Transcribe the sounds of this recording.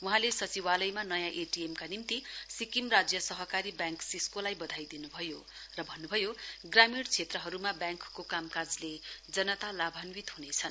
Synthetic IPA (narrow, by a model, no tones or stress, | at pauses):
wuɦãlesʌt͡siwalʌjmanʌjãʔeʈiemkanimt̪isikimrad͡zjʌsʌɦʌkaɾibjãŋksiskolajbʌd̪ʱajd̪inubʱʌjo | rʌbʱʌnːubʱʌjoɡramiɽt͡sʰet̪rʌɦʌɾumabjãŋkːokamkad͡zled͡zʌnʌt̪alabʱʌnwit̪ɦunet͡sʰʌn